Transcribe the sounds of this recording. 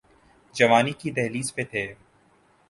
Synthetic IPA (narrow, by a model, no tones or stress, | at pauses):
d͡ʒɐʋaːnikid̪ɛɦliːzpet̪ʰeː